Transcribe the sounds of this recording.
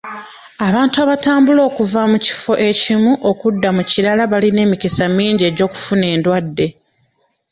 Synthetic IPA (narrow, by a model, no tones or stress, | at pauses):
aβaːntuaβataːmbulo̞ːkuvamuci̥fo̞ʔe̞cimuʔo̞kudːamuciɾalaβaline̞ːmikisamiːɲɟe̞ɟo̞ːku̥fune̞ːndwadːe̞